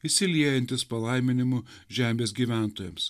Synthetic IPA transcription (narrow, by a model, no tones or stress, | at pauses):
ɪsʲɪlʲiɛjɛnʲt̪ʲɪspɐlˠɐɪmʲɪnʲɪmʊ | ʒʲæːmʲeːsɡʲiːʋʲæˑnt̪oːjɛms